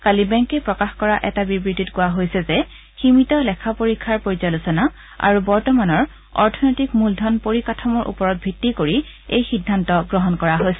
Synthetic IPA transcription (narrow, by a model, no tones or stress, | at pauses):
kalibɛŋkepɹɔkaxkɔɹaʔɛtabibɹititkʊaɦojsɛzɛ | ximitɔlɛkʰapoɹikʰːaɹpoɹizalusɔna | a̰ɹubɔɹtɔmanɔɹ | ɔ̰ɹtʰɔnojtikmuldʱɔnpoɹikatʰɔmɔɹʔṵpɔɹɔt̚bʱitːikoɹi | ejxidʱːantɔɡɹɔɦɔnkɔɹaɦojsɛ